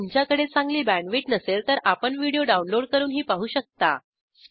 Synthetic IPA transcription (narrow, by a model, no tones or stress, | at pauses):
mt͡ɕjakəɽet͡saŋɡliːbæ̃ɳʋiːʈnəselt̪əɾʔapəɳʋiɽioɖaunloɽkəɾuːnɦiːpaɦuːɕək̚t̪a̰